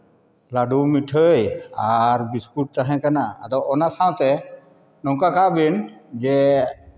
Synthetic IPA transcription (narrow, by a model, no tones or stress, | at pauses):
laɖumiʈʰəjaɾbiskuʈ̚t̪aɦɛ̃kana̰ːd̪ɔɔnasaw̃t̪ɛ | nɔŋkakaʔbind͡ʒɛ